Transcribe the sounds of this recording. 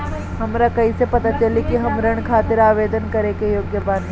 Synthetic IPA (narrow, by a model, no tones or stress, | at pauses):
ɦɐmɾakɐisepɐt̪at͡ʃɐlikiɦɐmɾɐɽ̃kʰaːt̪ɪɾaːʋeːd̪ənkɐɾekejoːɡjəbãːn